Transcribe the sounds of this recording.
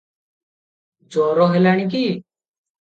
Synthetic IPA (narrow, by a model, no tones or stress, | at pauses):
d͡ʒoːɾoːɦeːlaːɳ̃iːk̬iː